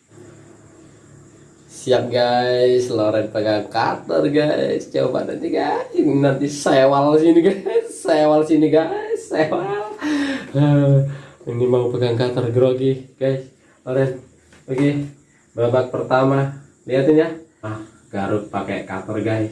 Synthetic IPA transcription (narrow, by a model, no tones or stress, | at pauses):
siap̚ɡajsloɾɛnpəɡaŋka̰t̪ə̰rɡa̰st͡ʃo̰ba̰d̪a̰iɡaisnant̪isewalsiniɡajssewalsiniɡaisːewalə | ənimaupəɡaŋkat̪ərɡɾoɡiɡ̥ajs | loɾɛn | oɡi | bɾabak̚pərt̪ama | liat̪inja | ah | ɡ̥aɾuk̚pakḛkat̪ərɡajs